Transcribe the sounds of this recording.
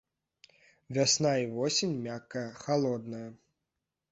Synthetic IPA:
vʲasnaivɔsʲinʲmʲakːɐjɐxalˠɔd̪nɐjɐ

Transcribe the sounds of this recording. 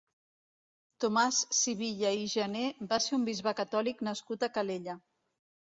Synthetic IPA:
t̪omasːiβiʎəiʒənebaseumbizβəkət̪ɔliknəskut̪əkəleʎə

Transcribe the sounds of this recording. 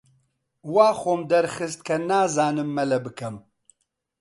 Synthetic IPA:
waːxoːmd̪ɐɾxɨst̪̚kʰɐnaːzaːnɨmːɛlɛbɨkʰɛm

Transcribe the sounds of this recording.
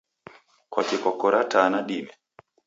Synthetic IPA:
kwakɛkwakɔɾatanaɗimɛ

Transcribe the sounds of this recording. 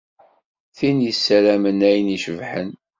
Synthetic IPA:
θinjəsːæɾæmənæjəniʃəvħən

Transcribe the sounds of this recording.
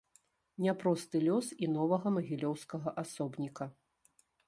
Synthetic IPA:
nʲapɾɔst̪ɨlʲɔsinɔvɐɣɐmɐɣʲilʲɔwskɐɣɐʔasɔbnʲikɐ

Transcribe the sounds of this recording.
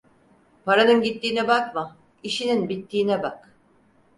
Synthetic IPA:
pʰaɾanɯnɟit̪ːiːnɛbakma | iʃininbit̪ʰːiːnɛbak

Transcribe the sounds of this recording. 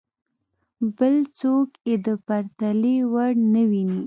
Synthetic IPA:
bəlt͡sokjed̪əpaɾt̪alewaɽnəwini

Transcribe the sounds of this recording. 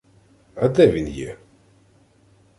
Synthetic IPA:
ɐd̪ɛvʲinjɛ̰

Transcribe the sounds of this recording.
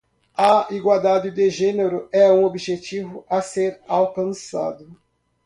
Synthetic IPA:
ɐiɡwald̪ad͡ʒɪd̪eʒɛneɾʊɛũobiʒet͡ʃivʊʔɐseɾawkɐ̃nsa̰d̪ʊ

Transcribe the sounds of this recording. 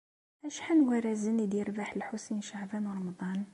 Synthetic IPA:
ʔæʃħanwæɾæzənid̪iɾbaħəlħusinʃaʕbɑnwɾˤɑmd̪ˤɑn

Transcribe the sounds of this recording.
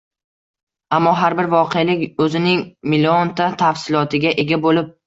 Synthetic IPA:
amːɒɦaɾbɪɾvɒqʰealɪkʲɵzɪnɪŋmɪlont̪ʰat̪ʰafsɪlˠɒt̪ʰɪɡʲaʔe̞ɡʲabolɪp̚

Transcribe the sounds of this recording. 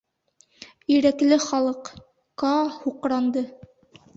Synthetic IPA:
iɾæklɘχɑlˠɤq | kɑhuqɾɑnd̪ɤ

